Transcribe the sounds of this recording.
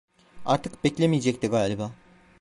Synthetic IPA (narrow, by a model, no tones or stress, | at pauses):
a̰ɾt̪ʰɯkbɛcʲlʲemijed͡ʒɛct̪iɡaːlʲibaː